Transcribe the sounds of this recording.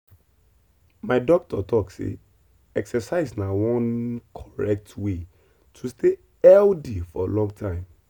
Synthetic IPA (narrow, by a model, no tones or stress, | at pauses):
maɪdɔk̚tʰɔtɔksḛ | ɛksɛsaɪznawɔ̃nkʰɔ̥ɹɛk̚tʰwe | tʰuste | ɛldifɔalɔ̃ŋɡtʰãɪ̃m